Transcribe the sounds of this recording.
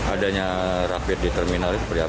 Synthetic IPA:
adaɲa | ɾapɪt̪̚dit̪ərminalit̪upəria

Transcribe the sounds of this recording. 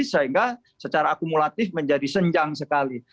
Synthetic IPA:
səɦiŋɡa | sət͡ʃaɾaːkumulat̪ɪfməɲd͡ʒadisəɲd͡ʒaŋsəkali

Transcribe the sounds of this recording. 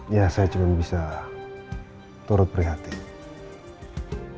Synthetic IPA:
jasajat͡ʃumanbisa | t̪ɔɾʊt̪̚pɾiɦat̪i

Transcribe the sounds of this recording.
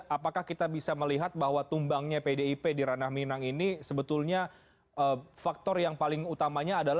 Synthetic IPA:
apakahkit̪abisaməliɦat̪̚bahɦwat̪umbaŋɲapedeipediɾanahminaŋinisəbət̪ulɲa | əfak̚t̪ɔrjaŋpalɪŋut̪amaɲaːdala

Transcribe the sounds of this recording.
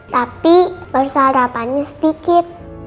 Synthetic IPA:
t̪apipərsaɾapanɲasd̪ikɪt̪̚

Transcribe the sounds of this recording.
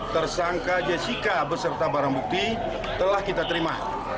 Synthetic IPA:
t̪ərsaŋkad͡ʒasikabəsərt̪abaɾaŋbuk̚t̪i | t̪əlahkit̪at̪əɾima

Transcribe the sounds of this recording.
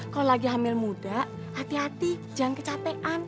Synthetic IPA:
kaolaɡiɦamɪlmud̥aʔ | at̪iɦat̪i̥d͡ʒa̤ŋkət͡ʃapɛʔan

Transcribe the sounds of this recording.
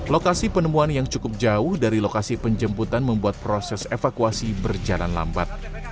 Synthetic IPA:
lokasipənəmuanjaŋt͡ʃukʊp̚d͡ʒaʊhdaɾilokasipəɲd͡ʒəmbut̪anməmbuat̪̚pɾosɛsefakuasibərd͡ʒala̰nla̰mba̰t̪̚

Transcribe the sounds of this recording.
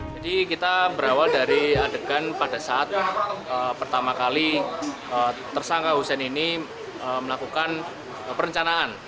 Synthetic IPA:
d͡ʒadikit̪abəɾawaldaɾiadəɡanpadasaʔat̪̚əpərt̪amakali | ət̪ərsaŋkaɦusɛnini | əməlakukan | əpəɾəɲt͡ʃanaan

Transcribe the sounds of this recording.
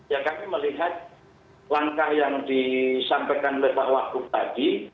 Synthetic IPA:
jakamiməliɦat̪̚ | laŋkahjaŋdisampajkanolehpahwak̚t̪ub̥aɡ̥i

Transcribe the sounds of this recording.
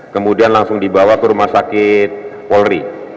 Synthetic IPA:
kəmudianlaŋsʊŋdibawakəɾumasakɪt̪̚pɔlri

